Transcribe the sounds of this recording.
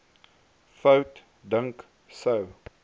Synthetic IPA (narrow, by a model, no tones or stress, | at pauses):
fəwt | dəŋk | səw